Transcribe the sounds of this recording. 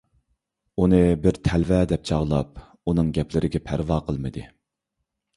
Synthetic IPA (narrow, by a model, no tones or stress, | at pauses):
unɨbɪɾt̪ʰɛlvɛd̪ɛp̚t͡ʃʰɑʁlˠɑ̰p̚ | unɨŋɡʲɛplɪɾʔɪɡʲɛpʰæɾvɑːqʰəlˠmɨd̪ɨ